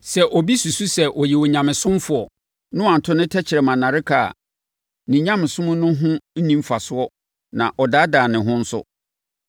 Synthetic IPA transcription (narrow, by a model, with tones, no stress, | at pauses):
sɛ˨ʔɔ˨bi˦su˨su˦sɛ˦ʔɔ˨jɛ˨wɔ˨ɲã˨mɪ̃˨sʊ̃˦m˦fʊ˦ɔ˨ | nʊ̃˦ã˨n̩˨tʰʊ˦nɪ̃˦tʰɛ˦t͡ɕʰɪ˨ɾɛ˨mã˨nã˨ɾɪ˦kʰa˨a̰˨ | nĩ˨ɲã˦m̃˨sʊ̃˦mʊ̃˦nʊ̃˦ɦʊ̃˦n̩˦nĩ˦m˦fa˨sʊ˦ɔ˦ | nã̰˨ʔɔ˨da˦daː˨nɪ̃˨ɦʊ̃˦n̩˦sʊ̰˦